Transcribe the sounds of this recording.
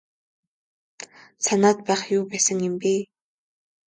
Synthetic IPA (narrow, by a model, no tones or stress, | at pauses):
sanaːt̪̚pæːχjuːpæːsə̆ŋjɪ̆mpiː